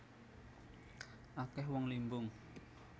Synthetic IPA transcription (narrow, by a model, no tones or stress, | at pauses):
ʔakɛhwɔŋlimbʊŋ